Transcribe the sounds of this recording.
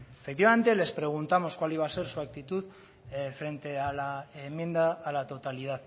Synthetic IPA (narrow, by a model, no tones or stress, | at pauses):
efek̚t̪iβame̞nt̪e̞le̞spɾe̞ɣ̞unt̪amo̞skwaliβ̞ase̞ɾsuak̚t̪it̪uð | fɾe̞nt̪e̞alaemːje̞nd̪aːlat̪o̞t̪alið̞að